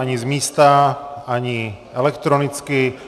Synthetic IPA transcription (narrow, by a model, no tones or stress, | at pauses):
aɲizmiːst̪aaɲi | ɛlɛkt̪ɾonit͡ski